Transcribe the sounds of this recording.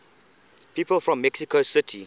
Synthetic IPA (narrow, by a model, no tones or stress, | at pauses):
pʰiːpəlfɹɔ̃mːɛksikʰosɪtʰi